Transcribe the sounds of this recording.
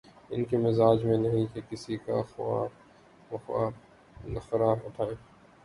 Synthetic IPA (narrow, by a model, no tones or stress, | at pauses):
ɪnkemɪzaːd͡ʒmẽnɐɦĩkekɪsika̰xa̰ː | ɐxaː | nɐxɐɾaːɾʊʈʰaːeː